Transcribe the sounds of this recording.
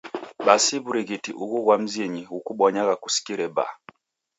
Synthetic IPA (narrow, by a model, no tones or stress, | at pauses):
ɓasiβuɾiɣitḭʔuɣuɣwam̩ziɲiɣukuɓɔɲaɣakusi̥kiɾɛba̰